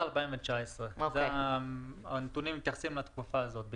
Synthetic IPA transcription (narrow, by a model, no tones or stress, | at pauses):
albaimvet͡ʃaesʁeoz | anet̪unimit̪jaχsimlat̪kufaːzot̪̚b